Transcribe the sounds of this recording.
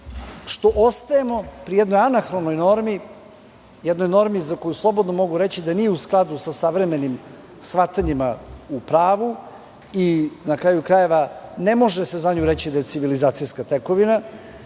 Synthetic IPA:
ʃt̪o̞ʔost̪ajemo̞pɾijed̪no̞janaxɾono̞jno̞ɾmi | jed̪no̞jno̞ɾmizako̞juslˠo̞bo̞d̪no̞mo̞ɡuɾet͡ɕid̪aniːjeusklˠad̪usasaʋɾeme̞nim | sʋat̪aɲimaupɾaːʋu | inakɾaːjukɾaje̞ʋane̞mo̞ʒese̞zaɲuɾet͡ɕid̪aje̞t̪iʋilizaːt̪sijskat̪eko̞ʋina

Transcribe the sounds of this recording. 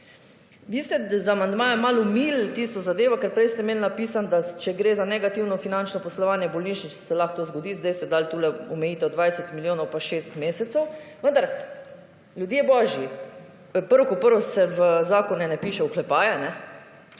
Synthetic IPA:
ʋiːst̪ɛzamand̪maːjɛmalumilt̪ist̪ɔzad̪eːʋɔkɛɾpɾɛjst̪ɛmeːlnapiːsand̪at͡ʃɛɡɾeːzanɛɡat̪iwnɔfinant͡ʃnɔpɔslɔʋaːnjɛbɔlniːʃnit͡ʃsɛlaxt̪oːzɡɔd̪iːzd̪ajsɛd̪alt̪ulɛɔmɛjiːt̪ɛd̪ʋajsɛt̪miljoːnɔwpaʃest̪meːsɛt̪sɛwʋənd̪aɾ | lʲjud̪jebɔːʒji | pəɾʋokɔpəɾʋɔsɛʋəzaːkɔnɛnɛpiːʃɛuklɛpaːjɛnɛ

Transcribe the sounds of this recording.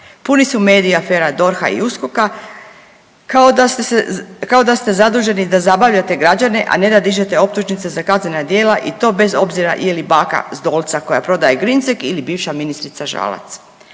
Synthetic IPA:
punisume̞ːd̪iiafe̞ːɾad̪o̞ɾxa̰ḭuskoka | ao | kao̞d̪ast̪e̞zad̪uːʒe̞nid̪azabaʋʎat̪e̞ɡɾad͡ʑane̞ʔa̰ne̞d̪ad̪iʒe̞t̪e̞o̞p̚t̪uʒnit̪se̞zakazne̞nad̪je̞ːlaʔit̪o̞be̞zo̞bziɾa̰ʔjelibaːka̰zd̪o̞ːlˠt̪sako̞japɾo̞d̪ajeɡɾinsekilibiːʋʃaminist̪ɾit̪saʒa̰la̰t̪s

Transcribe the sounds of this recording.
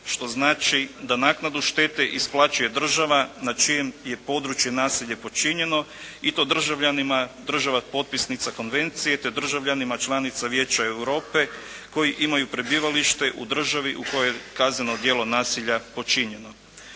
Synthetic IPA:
ʃt̪o̞znaːt͡ʃid̪anaːknad̪uʃt̪e̞t̪e̞ʔisplˠat͡ʃuje̞d̪r̩ʒaʋanat͡ʃijemje̞po̞ːd̪ɾut͡ʃje̞naːsiʎepo̞t͡ʃiɲe̞no̞it̪o̞d̪r̩ʒaʋʎanimad̪r̩ʒaʋapo̞t̪̚pisnit̪sako̞nʋe̞nt̪sije̞t̪e̞d̪r̩ʒaʋʎanimat͡ʃlˠanit̪saʋje̞ːt͡ɕae̞wɾo̞ːpe̞ | ko̞jiʔimajupɾe̞biʋaliʃt̪e̞ʔud̪r̩ʒaʋiʔuko̞jojekazneno̞d̪jelˠo̞naːsiʎapo̞t͡ʃiɲe̞no̞

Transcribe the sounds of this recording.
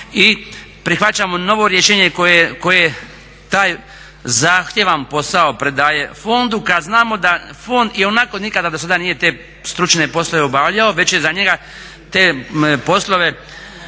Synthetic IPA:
i | pɾixʋat͡ɕamo̞no̞ʋo̞ɾjeʃeːɲekojejko̞jee | t̪aːj | zaːxt̪je̞ʋampo̞saopɾed̪aːje̞fo̞nd̪ukad̪znaːmo̞d̪afo̞nd̪io̞nako̞nikad̪ad̪osad̪anije̞t̪e̞ː | st̪ɾut͡ʃne̞po̞slˠo̞ʋeobaʋʎaoʋe̞t͡ɕjezaɲe̞ɡa | t̪e̞ːpo̞slˠo̞ʋe̞

